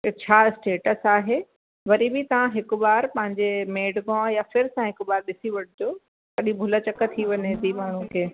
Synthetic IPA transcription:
t͡ɕʰaːɪsʈeːʈəsaːɦeː | ʋɐɾibɪt̪ɐʋ̤ãɦɪkʊ̆ɓaːɾpɐ̃ɦɪ̃ɲd͡ʑemeːɖɡɔ̃ːjafɪɾsãɦɪkʊbaːɾɗɪsiʋɐʈ̚ʰɪd͡ʑ̪oː | kɐɗĩbʱʊlət͡ɕɐkə̆t̪ʰiʋɐɲed̪imaːɳ̤ũkʰeː

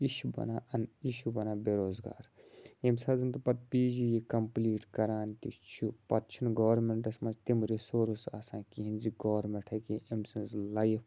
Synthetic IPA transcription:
iʃubɐ̰naːʔɐniʃubɐnaːbeːɾoːzɡa̰ːɾemsɐːzɨnt̪ɐpɐt̪̚piːd͡ʒijikɐmpliːʈkɐɾaːnt̪it͡ʃʰupɐt̪̚t͡ʃʰunɡɐːʋɐɾmeɳʈɐsmɐnd͡ʒt̪imɾisoːɾsa̰ːsãːnkiɦinziɡɐːʋɾmeɳʈʰɐkeʔemsɐnzlɐjpʰ

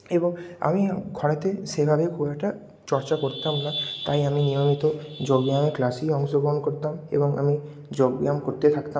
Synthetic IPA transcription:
eboŋa̰miɡʱɔɽet̪eʃebʱabekʰubɛk̚ʈa | t͡ɕɔɾt͡ɕakoɾt̪amnat̪ajaminijomit̪od͡ʑoɡjameklasiɔŋʃoboonkoɾt̪amḛboŋa̰mi | d͡ʑoɡbjamkoɾt̪et̪ʰakt̪am

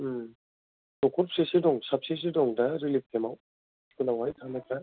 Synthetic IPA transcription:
m̩ | tɔkʰɔɾpsesidɔŋsap̚ses̬idɔŋdɐɾilip̚kʰemaw | kulawajtʰanakʰɾa

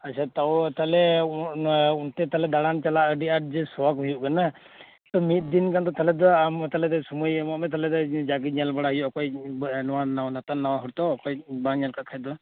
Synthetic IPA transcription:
asat̪at̪alɛ | unt̪ɛt̪alɛd̪aɽant͡ʃalaʔəɖiaʈ̚d͡ʒɛsɔwakɦujuʔkana | t̪ɔmit̪̚d̪inkand̪ɔt̪alɛd̪ɔamt̪alɛt̪ɛsumujəmɔʔmɛt̪̬alɛd̪ɔd͡ʒaɡiɲalbaɽaɦəjuʔɔkɔjnɔwanːawnat̪anːawaɦɔɾt̪ɔːkɔjbaɲalkakʰaj̚d̪ɔ

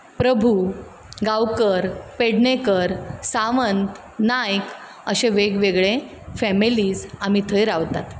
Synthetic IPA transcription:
pɾəbʱu | ɡawkəɾpeɽɳekəɾsaʋənt̪ | najk | əɕeʋeɡʋeɡɭẽ | fɛmiliːsam̤it̪ʰəjɾaʋt̪at̪

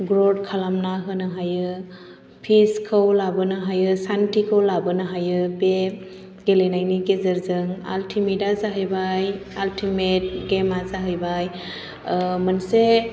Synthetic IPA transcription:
ɡɾɔd̚kʰalamnaɦɯnɯɦajɯ | pʰiskʰɯwlabɯnɯɦajɯsantikʰɯwlabɯnɯɦajɯbe | ɡ̥elenajniɡezɯɾzɯŋa̰ltʰimidazaɦɯjbajaltʰimet̚ɡemazaɦɯjbaj | manse

